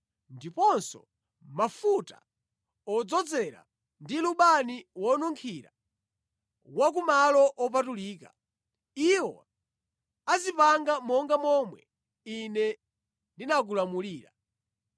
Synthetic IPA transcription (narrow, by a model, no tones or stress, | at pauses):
ndipɔnsɔ̰ | mafuta̰ | ɔd͡zɔd͡zɛɾa̰ | ndiluɓaniwɔnuŋkʰiɾa | wak̬umalɔʔɔp̬atuliːka̰ | iwɔ̰ | azipaŋɡamɔŋɡamɔmwɛ | inɛ | linak̬ulamuliːɾa̰